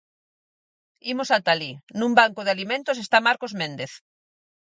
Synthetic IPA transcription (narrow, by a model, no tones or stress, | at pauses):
imosat̪alinũmbaŋkoðealimẽnt̪os̬est̪amaɾkozmẽnd̪eθ